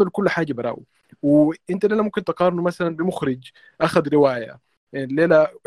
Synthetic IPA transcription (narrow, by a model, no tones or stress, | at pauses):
ælkʊlːħaːɡæbɑɾˤɑ̰ːʔḭ | weʔɪnt̪æleːlæmomkent̪ɑqɑːɾˤnumæsælænbɪmʊxɾɪd͡ʒ | ʔæxæd̪ɾɪwaːjæ̰ | ʔlːeːlæ